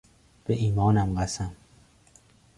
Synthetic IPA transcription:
b̥eʔiːmɒːnæmɢæsæm

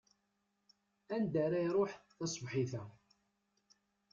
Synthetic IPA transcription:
ænd̪æɾajɾˤoħθɑsˤvħiθæ

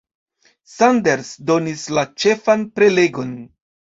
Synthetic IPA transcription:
sande̞ɾsdo̞nislat͡ʃe̞fanpɾe̞le̞ɡo̞n

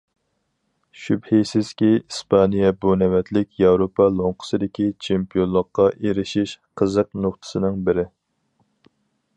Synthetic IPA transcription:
ʃybhisɪz̥kʲiispʰɑnijɛbunɛwɛt̪lɪkʲjɑwɾopʰɑlˠoŋqʰə̥sɨd̪ɪkʲit͡ʃʰempijonˠlːˠəqːɑʔeɾɪʃiʃqʰəzəqnoχt̪ʰɨ̥sɨnɨŋbɪɾɪ

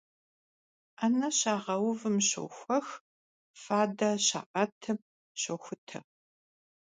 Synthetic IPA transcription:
anɐɕaːʁɐwʊvɨmɕo̰xʷɐx | faːdɐɕa̰ːqɐtʰɨm | ɕoxʷʊtʰɐ̰

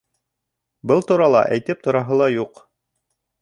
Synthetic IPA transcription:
bɤlˠt̪uɾɑlˠɑ̰ʔæjt̪ɘp̚t̪ŏɾɑɦɤ̆lˠɑjuq

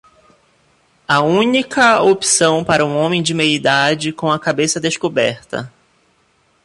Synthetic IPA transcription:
ɐũnikɐopi̥sɐ̃w̃paɾɐũõmẽj̃d͡ʒɪmeid̪ad͡ʒɪkõw̃ɐkabesɐd̪eʃkobɛ̰ɾt̪ɐ̰

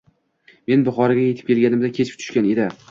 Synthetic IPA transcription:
me̞nbʊχɒɾaɡʲaje̞t̪ʰɪ̥p̚kʲʰe̞lɡʲanɪmd̪akʲʰet͡ʃʰɪ̥p̚t̪ʰʊ̥ʃkʲane̞d̪ɪ

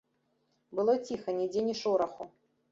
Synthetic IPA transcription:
bɨlˠɔt͡sʲixɐnʲid͡zʲenʲiʂɔɾɐxu

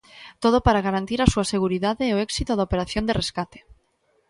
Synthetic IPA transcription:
t̪oð̞opaɾaɣaɾant̪iɾasuaseɣ̞uɾiðaðeɛoɛksit̪oðaopeɾaθjond̪ereskat̪e̥

